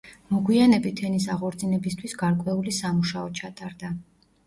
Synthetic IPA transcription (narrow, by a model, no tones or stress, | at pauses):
mɔɡwianɛbit̪ʰɛnisaʁɔɾt̪sʼinɛbist̪ʰwisɡaɾkʼwɛulisamuʃaɔt͡ʃʰat̪ʼaɾd̪a